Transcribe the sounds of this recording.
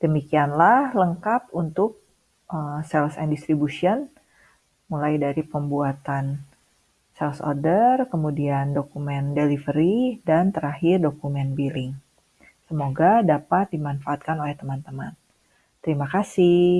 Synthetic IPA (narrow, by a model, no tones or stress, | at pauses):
d̥əmikianlahləŋkap̚unt̪ʊk̚ | ʔəsɛlsɛndist̪ɾibusiɔn | mulajdaɾipəmbuat̪an | sɛlso̰rdərkəmudiandokumɛndelifəɾidant̪əɾahɪrdokumɛnbilɪŋ | səmoɡadapat̪̚dimanfaːt̪̚kanolɛht̪əmant̪əman | t̪əɾimakasɪ